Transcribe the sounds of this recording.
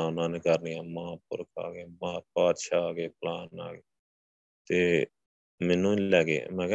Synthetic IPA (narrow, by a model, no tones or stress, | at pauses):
aːnãːnekəɾnijaːmãːpʊ̰ɾka̰ːɡeːmaːpaːt̪ʃaːɡeːpəlaːna̰ːɡeː | t̪eː | mɛːnũːlɛːɡḛːmɛ̃ːk